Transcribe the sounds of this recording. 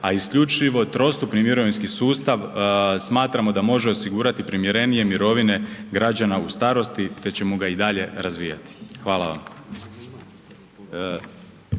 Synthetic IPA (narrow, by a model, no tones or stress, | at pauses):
aiskʎut͡ʃiʋo̞t̪ɾo̞st̪upnimiɾo̞ʋinskisuːst̪aʋsmaːt̪ɾamo̞d̪amo̞ʒe̞o̞siɡuːɾat̪ipɾimjeɾe̞nije̞miɾo̞ʋine̞ɡɾad͡ʑanaust̪aːɾo̞st̪it̪e̞t͡ɕe̞moɡaid̪aʎe̞ɾazʋijat̪i̥xʋaːlˠaʋa̰m